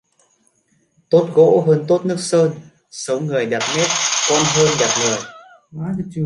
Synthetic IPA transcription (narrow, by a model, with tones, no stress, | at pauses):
t̪o˦˥t̚ɣo̰˧˥ɦəː˧nt̪o˦˥t̚nɨ˦˥ək̚səː˧n | sə˨˦wŋɨ˨˩əjɗə˨˩p̚ne˦˥t̚kɔ˧nɦəː˧nɗa˨˩p̚ŋɨ˨˩əj